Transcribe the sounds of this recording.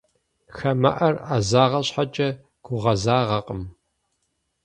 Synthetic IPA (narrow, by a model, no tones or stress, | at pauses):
xɐmɐ̰ʔɐrazaːʁɐɕħat͡ʃʼɐ | ɡ̥ʷʊʁɐzaːʁɐqʼəm